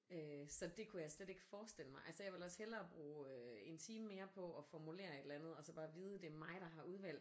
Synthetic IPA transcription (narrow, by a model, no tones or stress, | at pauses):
øsɒ̽d̥e̝kʰujasled̥e̝ɡ̥əfɒːsd̥el̰əmɑ̈ɪʔælsəɐjɑ̈ʋe̝lɒ̽shelɐːb̥ʁuːøe̝nt͡sʰiːməme̝ːɐpʰɒ̽ɒ̽fɒmule̝̰ːɐe̝d̥lænð̞̩ˠɒ̽sɒ̽b̥ɑ̈ːʋiːð̞ˠəd̥e̝mɑ̈ɪɾ̥ɑ̈ɦɑ̈ʔuð̞ˠʋæl̰̥